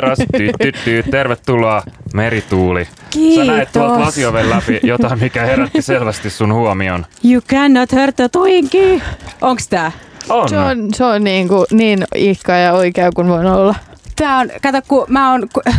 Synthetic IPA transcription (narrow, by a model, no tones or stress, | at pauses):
rɑst̪ːyːyt̪ːyːt̪erʋet̪ːuloɑmeɾit̪uːli | kiːsːɑet̪t̪uollɑsioʋellæpijot̪ɑimmikæheɾæt̪ːiselʋæst̪issunhuomionjukænːot̪hørt̪ːøt̪uiŋkiːoŋkst̪æː | onseonseonniːŋkuniːnihkɑːjɑoikeːkunʋoinolːɑt̪æːonkɑt̪okkumæːonk